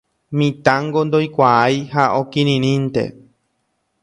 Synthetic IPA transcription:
mĩt̪ãŋɡond̪ojkʷaajhaʔokĩɾ̃ĩɾ̃ĩnt̪e̞̰

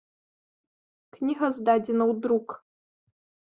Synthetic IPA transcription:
knʲiɦɐzd̪adʲɪnɐud̪ɾuk

